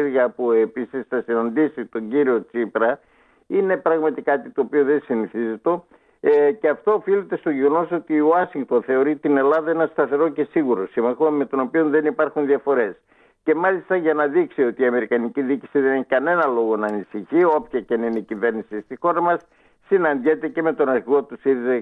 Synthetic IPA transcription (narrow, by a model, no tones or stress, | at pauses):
ɾɣɐpue̞pisisθɐsinɐnd̪isit̪o̞ɲɟiɾio̞t͡sipɾɐ | ine̞pɾɐɣmɐt̪ikɐt̪it̪oːpioðe̞siniθize̞t̪o̞ | ceɐft̪o̞ːfilet̪e̞st̪oʝeɣo̞no̞so̞t̪ioɐsiŋkt̪o̞nθe̞o̞ɾit̪ine̞lɐðɐenɐst̪ɐθe̞ɾo̞ce̞siɣuɾo̞simɐxome̞t̪o̞no̞pio̞nðe̞nipɐɾxunðiɐfo̞ɾe̞s | ce̞mɐlist̪ɐʝɐnɐðiksio̞t̪iːɐme̞ɾikɐniciðici̥siðeneçikɐne̞nɐlo̞ɣo̞nɐːnisiçio̞pçɐcenineicive̞ɾnisist̪ixo̞ɾɐmɐsː | inɐnd̪jet̪e̞ce̞me̞t̪o̞nɐɾçiɣo̞t̪usiðize